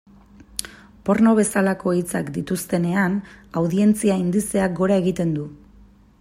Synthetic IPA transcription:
po̞ɾno̞β̞e̞salako̞it͡sakd̪it̪ust̪e̞ne̞anawðie̞nt͡siaind̪ise̞ak̚ɡo̞ɾae̞ɣit̪e̞nd̪u

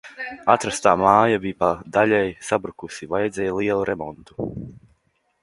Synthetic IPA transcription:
at̪ɾast̪aːmaːjabipad̪aʎʲɛjsabɾukusivajd̪zɛjlˠiɛlˠuɾʔɛmɔ̰nt̪u̥

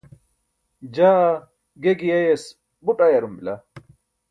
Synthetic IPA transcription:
d͡ʑa | ɡeɡiejes | buʈʼɐjɐɾumbila

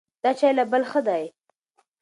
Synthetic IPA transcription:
d̪̥ɑt͡ʃɑjlabəlxəd̪aj

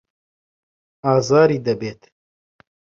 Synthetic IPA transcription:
ɑːzɑːɾiːd̪ɐbeːt̪

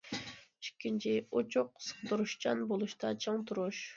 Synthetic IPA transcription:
t͡ʃʰi̥kʲʰːint͡ʃʰiot͡ʃʰuq̚sɨ̥qd̪uɾuʃt͡ʃɑnbolˠuʃt̪ɑt͡ʃʰoŋt̪ʰuɾuʃ

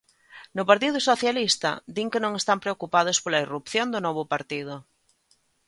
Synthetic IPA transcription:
nʊpaɾt̪̬iðʊsoθjalist̪ɐ̰d̪iŋkenõŋest̪ampɾeokupað̞ospolairupθjond̪ʊnɔβ̞ʊpaɾt̪iðʊ

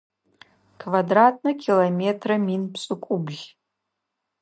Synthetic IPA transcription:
kʰvadratʰʼnɨkʲʰilometʰraminpʰsʼɨkʷʼubʒʲ

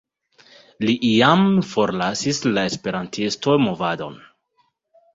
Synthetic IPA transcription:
liʔijamfo̞ɾlasislae̞spe̞ɾantʰisto̞mo̞vado̞̰n

